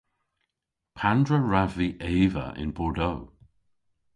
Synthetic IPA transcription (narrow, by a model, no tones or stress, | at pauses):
pʰandɹəɹaviʔeːvə̰ʔɪ̰nbɔɹdow